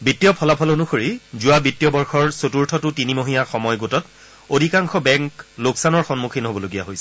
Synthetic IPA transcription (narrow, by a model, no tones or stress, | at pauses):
bitːijɔpʰɔlapʰɔlonuxoɹizʊwabitːjɔbɔɹxɔɹsotuɹtʰɔtʊtinimoɦinaxɔmɔjɡotɔt | odʱikaŋxʰɔbɛŋkloksanɔɹxɔnmukʰinɦobɔloɡijaɦojsɛ̥